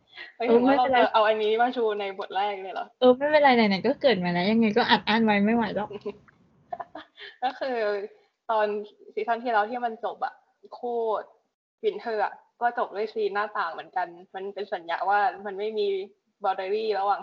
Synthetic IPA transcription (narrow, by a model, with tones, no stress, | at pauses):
ɤ˧˥˩ʔɤː˧ma˥˩jla˧˩ʔa˧wʔa˧nːiː˧˦tʰi˥˩maː˧˩t͡ɕʰuː˧na˧jbo˨˩t̪̚ɾɛː˥˩k̚lɤː˧˩jlɔ̰˨˦ʔɤː˧ma˥˩jpe˧nla˧jna˧jna˧˩kɔː˥˩kɤː˨˩t̪̚maː˧lɛ˦˥ja˧ŋːa˧jkɔː˥˩ʔaː˨˩t̪̚ʔaː˥˩nwa˦˥jma˥˩jwa˨˩˦jlɔ˧˦˩k | kɔː˥˩kʰɯː˧ | t̪ɔː˧nsi˨˩˦t̪ʰa˧˥˩ŋt̪ʰiː˥˩ɾa˧wt̪ʰiː˥˩ma˧nt͡ɕo˨˩p̚ʔa̰˨˩ʔ | kʰuː˥˩ | pi˩˦nt̪ʰɤː˧˩ʔa̰˨˩ʔkɔː˥˩t͡ɕo˨˩p̚du˥˩jsiː˧nːaː˥˩t̪aː˨˩ŋmɯ˨˩˦ənka˧nma˧npe˧nsa˩˦nja̰˧˦waː˥˩ma˧nma˥˩jmiː˧ | bɔː˧deː˧ɾiː˥˩ɾa˧waː˨˩